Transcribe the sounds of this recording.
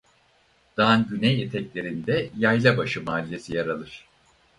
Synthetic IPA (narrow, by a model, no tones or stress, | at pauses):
d̪̥anɟynɛjet̪ʰɛclʲe̞ɾind̪ɛjajlʲˠabaʃɯmaːlʲijesijaɾalˠɯɾ̝̥